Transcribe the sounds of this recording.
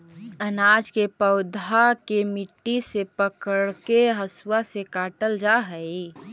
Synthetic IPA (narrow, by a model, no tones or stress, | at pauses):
ənaːd͡ʒkepəʊd̪ʱakemɪʈːisepəkəɽkeɦəswasekaːʈəld͡ʒaɦəi